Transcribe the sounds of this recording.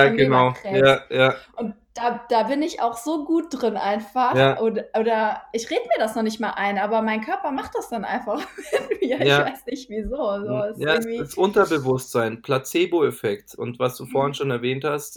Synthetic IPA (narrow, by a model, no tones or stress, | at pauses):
jaːɡənaʊɛjaːjaːʔʊnt̚ | d̥aːd̥aːbɪnɪçʔa̰ʊxz̥oːɡuːt̚d̥ʁɪnʔa̰ɪnfaχjaːʔoːdɐʔoːdɐʔɪçʁeːdəmiːɐdasnɔχnɪç̬tmaːlʔaɪnʔaːbɐmaɪnkʰœɐpɐmaχt̚d̥asd̥anʔa̰ɪnfaχɪmiːɐɪjaçːvaɪsnɪçtv̥iːzoːzoːsjaːŋv̥iːsʔʊntɐbəvʊstz̥aɪnpʰlat͡seːboɛfɛktʊ̰ntvasd̥uːfoːɐhɪnʃoːnɛɐvɛːnthast